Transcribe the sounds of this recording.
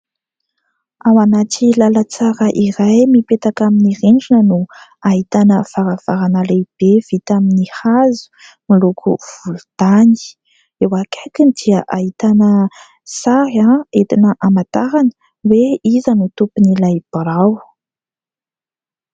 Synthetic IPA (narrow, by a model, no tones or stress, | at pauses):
awanaʈ͡ʂilalət͡saɾəʔiɾajmipet̪akaminiɾeɳd͡ʒinənuaɦit̪anəv̥aɾav̥aɾanaleb̥ev̥it̪aminihazu̥ | milukʰṵv̥ulud̪ani̥ | ewakʰakind̪iəʔaɦit̪anə | saɾaet̪inəʔamat̪aɾanə̥ | weizanut̪upunilajb̥ɾaw